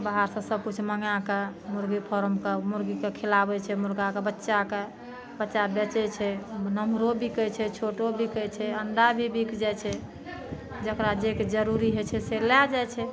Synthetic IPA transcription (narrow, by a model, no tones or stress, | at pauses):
baɦaɾsə̃səb̚kut͡ʃʰməŋakemuɾɡipʰɔɾəmkemuɾɡikekʰelabɛt͡ʃʰɛmuɾɡakebətːʃake | bətːʃabet͡ʃɛt͡ʃʰɛnəmɾobʱikəjt͡ʃʰɛt͡ʃʰoʈobʱikəjt͡ʃʰɛənɖ̪abʱibikʰd͡ʒajt͡ʃʰɛ | d͡ʒəkɾad͡ʒeked͡ʒəɾuɾiɦɛt͡ʃʰɛselɛd͡ʒajt͡ʃʰɛ